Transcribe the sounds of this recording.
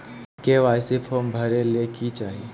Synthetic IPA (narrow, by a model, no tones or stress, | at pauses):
keʋaːɪsifʰoːmbʱɐɾeleːkit͡ʃaːɦie